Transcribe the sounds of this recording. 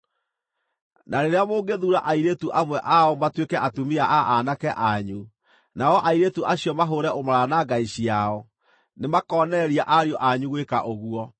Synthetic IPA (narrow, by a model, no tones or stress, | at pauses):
naɾeɾeamoːɡeðuːɾaʔaiɾetuʔamwɛʔaɔmatwekɛʔatumiaʔaʔanakɛʔaɲu | naɔʔaiɾetuʔaɕiɔmaɦoɾɛʔomaɾanaɡaiɕiaɔ | nemakɔnɛɾiaʔaɾiɔʔaɲuɣwekaʔoɣuɔ